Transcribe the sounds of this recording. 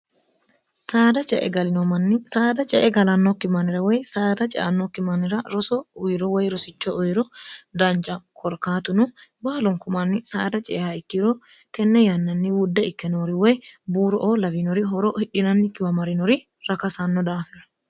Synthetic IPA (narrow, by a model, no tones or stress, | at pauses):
saːd̪ɐt͡ʃʼɛ̰ʔɛ̰ɡɐlɪnɔmɐnːɪsaːd̪ɐt͡ʃʼɛʔɛɡɐlɐnːɔkːɪmɐnɪɾɐwɔjsaːd̪ɐt͡ʃʼɛ̰ʔɐ̰nːɔkːɪmɐnɪɾɐɾɔsɔʊjɾɔwɔjɾɔsɪt͡ʃːɔʔɔjɾɔd̪ɐnt͡ʃʼɐkʰɔɾkaːt̪ʊnʊbaːlɔŋkʊmɐnːɪsa̰ːd̪ɐt͡ʃʼɛʔɛhɐɪkːɪɾɔː | t̪ɛnːɛjɐnːɐnːɪwʊd̪ːɛɪkːɛnoːɾɪwɔjbuːɾɔʔoːlɐbinɔɾɪɦɔɾɔhɪᶑɪnɐnːɪkːɪwɐmɐɾɪnɔɾɪ | ɾɐkɐsɐnːɔd̪aːfɛɾɐ